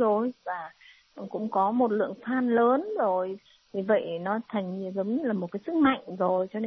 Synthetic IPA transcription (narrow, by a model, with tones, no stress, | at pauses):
zo˨˩jvaː˨˩˨ | kʊ̰˧˥ŋ͡mkɔ˨˦mo˨˩t̚lɨ̰˧˨əŋfaː˧nləː˨˦nzo˨˩j | vi˨˩və̰˧˨jnɔ˨˦t̪ʰa˨˩jŋ̟ɲi˧˩əzə˨˦wŋ͡mɲə˦˥laː˨˩mo˨˩t̚kaː˨˦sɨ˦˥k̚ma̰˧˨jŋ̟zo˨˩jt͡ɕɔ˧ne˧